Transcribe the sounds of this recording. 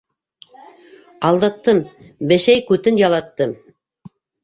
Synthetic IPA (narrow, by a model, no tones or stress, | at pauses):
ɑlˠd̪ɑt̪ːɤm | bɘ̆ʃæjkʉt̪ɘnjɑlˠɑt̪ːɤm